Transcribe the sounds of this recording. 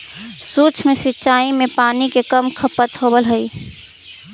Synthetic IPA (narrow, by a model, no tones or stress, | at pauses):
sut͡ʃʰmesitːʃaːimepaːnikekəmkʰəpət̪ɦobəlɦəi